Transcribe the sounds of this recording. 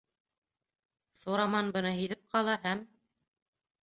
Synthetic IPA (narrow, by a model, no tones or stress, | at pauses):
suɾɑmɑnbɤ̆nɤɦiðɘp̚qʰɑlˠɑɦæm